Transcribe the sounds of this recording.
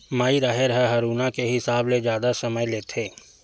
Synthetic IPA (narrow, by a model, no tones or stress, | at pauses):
maːiɾaːɦɪɾɦɛɦɐɾuːnakeɦɪsaːbled͡ʒjaːd̪asɐməjleːt̪ʰeː